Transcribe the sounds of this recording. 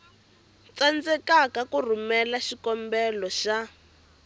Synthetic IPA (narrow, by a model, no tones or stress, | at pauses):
t͡sand͡zɛkakakur̤umɛlaʃikɔmbɛlɔʃa